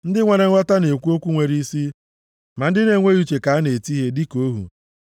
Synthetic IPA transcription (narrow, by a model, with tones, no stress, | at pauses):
n̩˦dɪ˦ŋʷe˨ɾe˨˦a˦ta˦ne˨kʷu˦o˦kʷu˦ŋʷe˨ɾi˦si˦ | ma˨n̩˦dɪ˦ne˨ŋʷe˦ju˦t͡ʃe˨ka˨a˦ne˨ti˦ɦe˦di˦ko˦ɦṵ˨